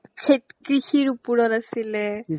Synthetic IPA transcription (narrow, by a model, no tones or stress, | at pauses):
kʰetkɹixiɹupuɹɔtasilɛ